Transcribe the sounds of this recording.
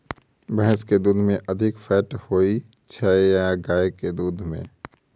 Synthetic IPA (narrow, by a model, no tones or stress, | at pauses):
bɛɦɛsked̪uːd̪ʱmẽʔəd̪ʱɪkfʰɛːʈhoːi | t͡ʃʰəejaɡaːeked̪uːd̪ʱmḛ̃